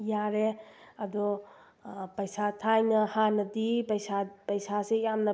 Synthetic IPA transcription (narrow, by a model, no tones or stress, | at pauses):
jaɾeɐdɔ | pɐjsatʰajnɐhanɐdipɐjsapɐjsasejamnɐ